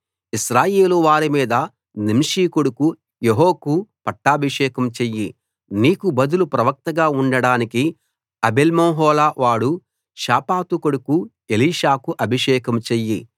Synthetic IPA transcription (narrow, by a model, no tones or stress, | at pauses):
iʃɾaːjeːluʋaːɾimiːd̪ɐ | nimʂiːkoɽuku | jeɦoːkupɐʈːaːbʱiʂɛːkɐmt͡ʃejːi | niːkubɐd̪ulupɾɐʋɐk̚t̪ɐɡaːuɳɖɐɽaːniki | ɐbelmoːɦɔːlaːʋaːɽu | ʃaːpaːt̪ukoɽuku | eliːʃaːkuʔɐbʱiʂɛːkɐmt͡ʃejːi